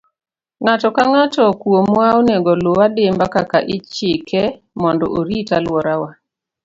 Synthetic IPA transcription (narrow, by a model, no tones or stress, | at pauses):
ŋatɔkaŋatɔkwomwaoneɡɔlowadɪmbakaka̰ʔɪt͡ʃɪkʰɛ | mɔndɔ̰ʔoɾitalwɔɾawa